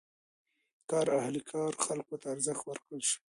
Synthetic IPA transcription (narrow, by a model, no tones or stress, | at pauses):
kɑɾahlikʰɑɾxalkot̪aːɾzəxt̪waɾkəlʃi̥